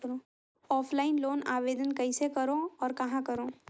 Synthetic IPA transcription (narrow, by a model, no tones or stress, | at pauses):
ɾo | ɔːpʰlaːɪnloːnaːʋeːd̪ənkɐɪsekɐɾõɔːɾkɐɦãkɐɾõː